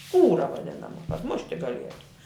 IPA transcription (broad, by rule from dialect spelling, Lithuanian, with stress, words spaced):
ˈskuːrɐ ʋɐˈdʲɪnɐmɐ kɐt ˈmʊʃʲtʲɪ ɡɐˈlʲiɛtʊ